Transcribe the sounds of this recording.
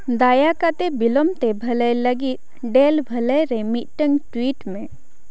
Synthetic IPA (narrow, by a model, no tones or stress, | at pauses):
d̪aːjakat̪ebilɔmt̪ebʱɐləjləɡit̪ | ɖeːlbʱɐləjɾemiʈəŋɡʈwiːʈmẽ